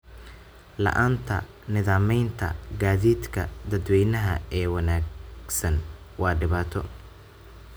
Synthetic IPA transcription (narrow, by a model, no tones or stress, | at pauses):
lɐ̰ʔaːnt̪ʰɐ̰ | nɪðaːmɛjnt̪ʰɐ̰ɡaːðiːd̪kʰɐ̰d̪ɐd̪wɛjnɐɦɐɛːwɑnaːɡsɐn | wɑːɖɪβaːt̪ʰɔ